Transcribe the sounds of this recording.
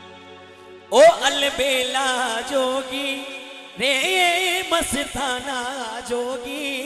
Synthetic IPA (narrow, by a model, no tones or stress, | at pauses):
oːʔɐlbeːlaːd͡ʒoːɡiː | ɾeːjemɐsɪɾt̪ʰaːnaːd͡ʒoːɡiː